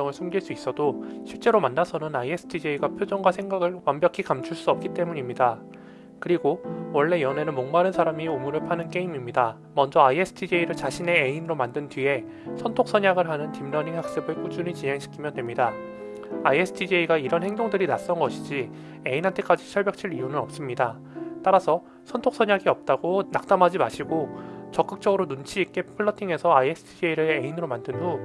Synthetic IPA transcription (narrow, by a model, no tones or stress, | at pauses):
ʌŋɯɭsʰumɡiɭs͈uis͈ʌdoɕʰiɭt͡ɕ͈e̞ɾomanːasʰʌnɯnaiesʰɯ̥tʰid͡ʑeiɡapʰjod͡ʑoŋɡwasʰe̞ŋɡaɡɯɭwambjʌkʰikamt͡ɕʰuɭs͈uʌp̚k͈it͈e̞muɲimɲida | kɯɾiɡowʌɭːe̞jʌne̞nɯnmoŋmaɾɯnsʰaɾamiomuɾɯɭpʰanɯnk͈e̞imimɲida | mʌnd͡ʑʌaiesʰɯ̥tʰid͡ʑeiɾɯɭt͡ɕaɕʰine̞einɯɾomandɯntɥie̞ | sʰʌntʰok̚s͈ʰʌɲaɡɯɭɦanɯntimnʌniŋhak̚s͈ebɯek͈ud͡ʑuɲit͡ɕiɦe̞ŋɕʰi̥kʰimjʌndwe̞mɲida | aiesʰɯ̥tʰid͡ʑeiɡaiɾʌnheŋdoŋdɯɾinas͈ʌnɡʌɕʰid͡ʑi | e̞inɦantʰe̞k͈ad͡ʑit͡ɕʰʌɭbjʌk̚t͡ɕʰiɾiunɯnʌp̚s͈ɯmɲida | t͈aɾasʰʌ | sʰʌntʰok̚s͈ʰʌɲjaɡiʌp̚t͈aɡonak̚t͈amɦad͡ʑimaɕʰiɡot͡ɕʌk͈ɯk̚t͡ɕ͈ʌɡɯɾonunt͡ɕʰiːk͈e̞pʰɯɭːʌtʰiŋe̞sʰʌaiesʰɯ̥tʰid͡ʑeiɾeeinɯɾomandɯndo